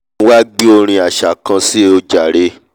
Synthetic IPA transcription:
wa˦ɡ͡bi˦o˧ɾ̃ĩ˧a˨ʃa˨kã˧si˦e˦o˧d͡ʒa˨ɾe˧

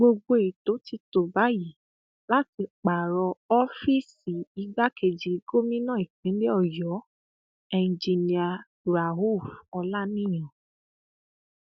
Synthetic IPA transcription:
ɡ͡bo˧ɡ͡bo˧˨e˨to˨˦ti˧to˨ba˨˦ji˨˦˨ | la˦ti˧k͡pa˨ɾɔ˧ɔ˦fi˦si˨i˧ɡ͡ba˦kʰe˧˨d͡ʒi˨i˨˦ɡo˦mĩ˦nã˦˨i˨k͡pĩ˨˦le˦ɔ˦˨jɔ˨˦ | ɛ˧n̩˨d͡ʒi˧nĩ˧a˧ | ɾa˨ɦo˦˨fɔ˧la˦nĩ˦j̃ɔ̃˨

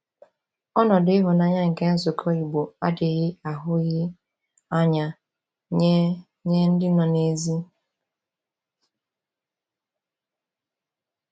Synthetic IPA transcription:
ɔ˦nɔ˨dɪ˦ɦʊ˨na˨ɲa˦ŋ̩˨ke˦n̩˦zʊ˨kʰo˦i˨ɡ͡bo˨a̰˦dɪ˨ɣɪ˦a˨ɦʊ˦ɣɪ˦ | a˦ɲa˨ | ɲe˦ | ɲe˦n̩˦dɪ˦nɔ˨ne˨zi˦

